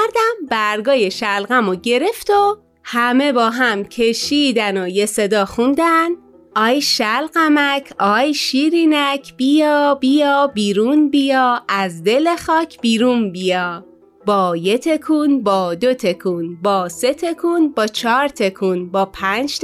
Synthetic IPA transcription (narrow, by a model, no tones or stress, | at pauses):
ɾd̪æmbæɾɡɒːje̞ʃælɣæmoɟe̞ɾe̞ft̪o | hæme̞bɒːɦæmcʰe̞ʃiːd̪ænojese̞d̪ɒːxund̪æn | ʔɒːjʃælɢæmæcʰɒːjʃiɾinæcʰb̥ijɒːbijɒːbiːɾunbijɒːæzd̪e̞lexɒːcʰb̥iːɾunbijɒː | bɒːje̞t̪ʰe̞kʰunbɒːd̪o̞t̪ʰe̞kʰunbɒːse̞t̪ʰe̞kʰunbɒːt͡ʃʰɒːɾt̪ʰe̞kʰunbɒːpʰænd͡ʒ̪